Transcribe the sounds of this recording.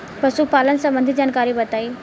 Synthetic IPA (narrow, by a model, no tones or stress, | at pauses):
pəsuːpalənsəmbənd̪ʱid͡ʑankaɾiːbət̪aiː